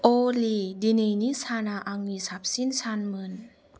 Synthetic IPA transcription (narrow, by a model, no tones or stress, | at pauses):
ʔoːliːdininisaːnaːʔaŋnisap̚sinsʰanmɯn